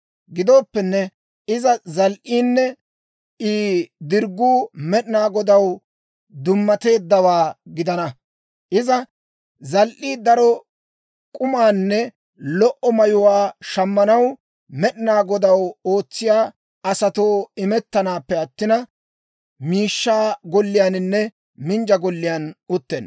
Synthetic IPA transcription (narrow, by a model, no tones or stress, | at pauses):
ɡɪd̪o̞ːpːɛnːɛ | ɪzɐzɐlʔiːnːɛ | iːd̪ɪɾɡːuːmɛɗɪnaːɡɔd̪ɐw | d̪ʊmːɐt̪e̞ːd̪ːɐwaːɡɪd̪ɐnɐ | ʔɪzɐ | zɐlʔiːd̪ɐɾɔ | kʼʊmaːnːɛ | lɔʔɔmɐjʊwaːʃɐmːɐnɐw | mɛɗɪnaːɡɔd̪ɐwo̞ːt͡sːɪjaː | ɐsɐt̪oːɪmɛt̪ːɐnaːpːɛɐt̪ːɪnɐ | miːʃːaːɡɔlːɪjaːnɪnːɛ | mɪnd͡ʒɐɡɔlːɪjanʊt̪ːḛn